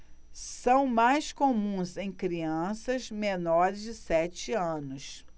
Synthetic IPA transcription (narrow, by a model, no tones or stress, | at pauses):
sɐ̃w̃majskomũzẽj̃kɾiɐ̃sɐzmenɔɾɪzd͡ʒɪsɛt͡ʃɪɐ̃nʊs